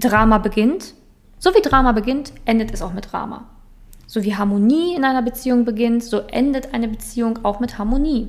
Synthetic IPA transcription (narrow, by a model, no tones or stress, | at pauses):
d̥ʁaːmabəɡɪnt | z̥oviːdʁaːmabəɡɪntʔɛndətɛsaʊxmɪt̚d̥ʁa̰ːma̰ | z̥oːviːɦaɐmoniːɪnʔaɪnɐbət͡siːʊŋbəɡɪntz̥oːʔɛ̰ndətʔaɪnəbət͡siːʊŋaʊxmɪthaɐmoniː